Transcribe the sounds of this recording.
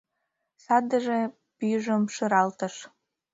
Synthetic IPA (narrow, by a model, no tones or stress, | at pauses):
sɑd̪əʒe | pyjʒə̆mʃɨɾɑlt̪ə̆ʃ